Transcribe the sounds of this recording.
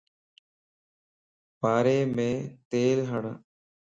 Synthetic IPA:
paːɾeːmẽːt̪eːlɦəɳ

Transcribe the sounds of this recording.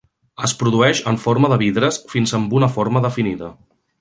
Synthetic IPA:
əspɾuðuɛʃəɱfoɾməðəβiðɾəsfinzəmbunəfoɾməðəfiniðə

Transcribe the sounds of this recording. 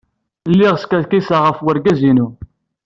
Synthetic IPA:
lːɪʁskæðkisaʁəfwəɾɡæzinu

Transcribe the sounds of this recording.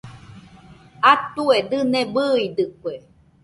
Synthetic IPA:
at̪ued̪ɨnẽbɨid̪ɨkʷe

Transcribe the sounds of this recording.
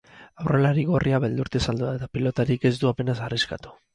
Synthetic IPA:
awre̞laɾiɣo̞riaβe̞ld̪uɾt̪esald̪uaet̪apilo̞t̪aɾike̞zd̪uape̞nasariska̰t̪u̥

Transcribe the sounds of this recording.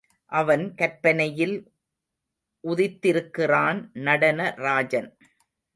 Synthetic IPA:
ʔɐʋɐnkɐɾpːɐnɐjɪl | ʔʊðɪt̪ːɪɾɯkːɪraːnnɐɽɐnɐɾaːd͡ʒɐn

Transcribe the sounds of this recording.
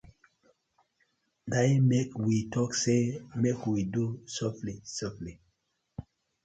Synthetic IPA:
damekwitʰɔksemekwidusɔflisɔfli

